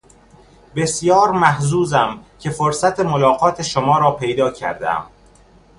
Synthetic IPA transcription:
be̞sjɒːɾmæhzuːzæmcʰe̞foɾsæt̪ʰemolɒːɣɒːt̪ʰe̞ʃomɒːɾɒːpʰejd̪ɒːcʰæ̰ɾd̪æ̰m

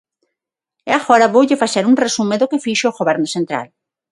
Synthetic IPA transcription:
ɛaɣoɾaβowʎɪfaseɾuŋresumeðʊkefiʃoɣoβɛɾnosẽnt̪ɾa̰l

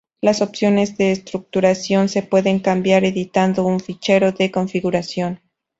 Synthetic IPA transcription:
laso̞psjo̞ne̞zðe̞ːst̪ɾuk̚t̪uɾasjo̞nse̞pwe̞ðe̞ŋkambjaɾe̞ðit̪and̪o̞uɱfit͡ʃe̞ɾo̞ðe̞ko̞ɱfiɣuɾasjo̞n

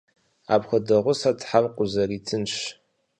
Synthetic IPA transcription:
a̰pxɐdɐʁʷʊsatʰħamqʷʼʊzɐritʰɨnʃ

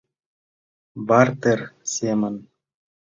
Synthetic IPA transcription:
bɑrt̪erʲsʲemɘ̆n

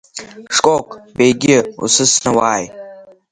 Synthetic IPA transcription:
ʂkʼokʼbejɡʲɪṵsɨsnawaːj

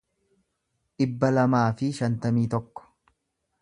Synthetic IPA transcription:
ᶑɪbːɐlɐmaːfɪʃɐnt̪ɐmiːt̪ɔkːɔ̥

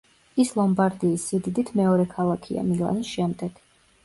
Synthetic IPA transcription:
islˠɔmbaɾd̪iːsːid̪id̪it̪ʰmɛɔɾɛkʰalˠakʰia̰milˠa̰nisʃɛmd̪ɛɡ̥

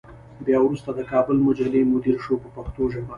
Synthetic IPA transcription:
bjɑwɾust̪ad̪əkɑbəlmʊd͡ʒalemʊd̪iɾʃopəpaxt̪oʒəma

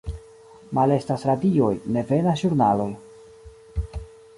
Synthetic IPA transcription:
male̞stasɾadio̞jne̞ve̞naʒuɾnalo̞j

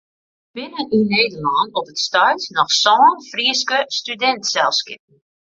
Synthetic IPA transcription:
b̥ɪnəʔineːdərlɔnɔpətstœɥtnɔxsɔːnfriəskəstydɛntsɛlˠskɪp̚n̩

